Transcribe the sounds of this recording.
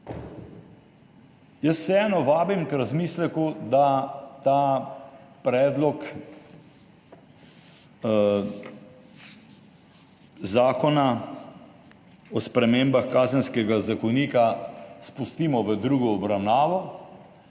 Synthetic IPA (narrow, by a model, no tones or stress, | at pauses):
jəsːɛɛːnɔʋaːbimkɾazmiːslɛkud̪at̪aː | pɾɛːd̪lɔk | zaːkɔna | ɔspɾɛmeːmbaxkaːzənskɛɡazakɔniːkaspust̪iːmɔʋəd̪ɾuːɡɔːbɾawnaːʋɔ